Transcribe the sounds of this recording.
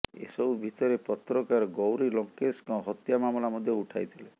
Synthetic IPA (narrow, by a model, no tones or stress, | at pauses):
ḛsɔbubʱit̪ɔɾepɔt̪ɾɔkaɾɡɔwɾilɔŋkeskawɦɔt̪jamamɔlamɔd̪ʱjɔuʈʰa̰jt̪ʰile